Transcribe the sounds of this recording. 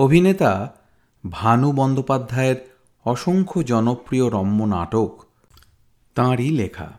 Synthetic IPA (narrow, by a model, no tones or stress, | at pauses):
obʱinet̪a | bʱanubɔnd̪opad̪ʱːaeɾ | ɔʃoŋkʰod͡ʑɔnopɾioɾɔmːona̰ʈok | t̪ãɾilekʰa̰